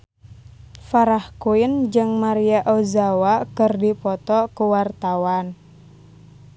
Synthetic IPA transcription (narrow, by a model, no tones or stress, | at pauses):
faɾahkuind͡ʒɨŋmaɾiaʔɔzawakɨrdipɔt̪ɔkuwart̪awan